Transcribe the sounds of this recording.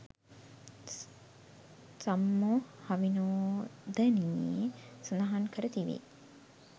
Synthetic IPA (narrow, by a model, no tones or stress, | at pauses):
samːohaʋinoːd̪ɛni | sənaɦankəɾət̪iʋḭ